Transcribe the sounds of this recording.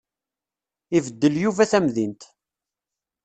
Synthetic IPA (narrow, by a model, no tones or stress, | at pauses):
ivəd̪ːəljuvæθæmðint̪